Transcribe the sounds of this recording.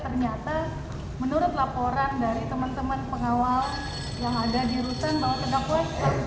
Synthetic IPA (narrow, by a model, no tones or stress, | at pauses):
t̪ərɲat̪a | mənuɾʊt̪̚lapoɾandaɾit̪əmant̪əmanpəŋawal | jaŋadadiɾut̪ənbaɦwat̪əɡapuasa